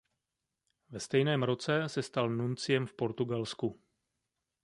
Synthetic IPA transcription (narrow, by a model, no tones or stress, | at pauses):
vɛst̪ɛjnɛːmɾo̞t͡sɛsɛst̪alnunt͡sɪjɛmfpo̞ɾt̪uɡalsku